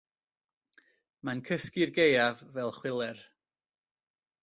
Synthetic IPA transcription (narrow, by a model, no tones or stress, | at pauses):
mankʰəskɪrɡejavːɛlˠχwɪlˠɛr